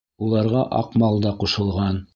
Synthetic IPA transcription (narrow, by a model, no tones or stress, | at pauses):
ulˠɑɾʁɑʔɑ̰qmɑlˠd̪ɑquʃɤ̆lˠʁɑn